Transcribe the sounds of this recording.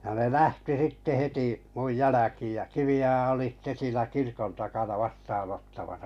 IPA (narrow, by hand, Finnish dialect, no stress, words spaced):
jɑ ne læhti sitːe heti muj jælækiːj jɑ kiʋiojɑ oli sĭtːe siːnæ kirkon tɑkɑnɑ ʋɑstɑːnotːɑmɑsɑ